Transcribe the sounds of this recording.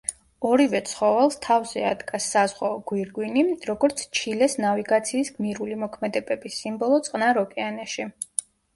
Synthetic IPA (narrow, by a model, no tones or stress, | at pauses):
ɔɾivɛt̪sʰχɔvɛlˠst̪ʰavzɛa̰d̪ɡasːazʁwaɔɡ̥wiɾɡwiniɾɔɡɔɾt̪sʰt͡ʃʰilɛsnaviɡat̪sʰiːsɡmiɾulimɔkʰmɛd̪ɛbɛbisimbɔlˠɔt̪sʼqʼnaɾɔkʼɛanɛʃi